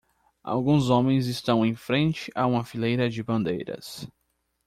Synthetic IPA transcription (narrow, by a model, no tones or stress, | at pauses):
a̰wɡũzõmẽj̃zɪst̪ɐ̃w̃ẽj̃fɾẽnt͡ʃɪʔaũmɐfilejɾɐd͡ʒɪbɐ̃nd̪ejɾɐ̰s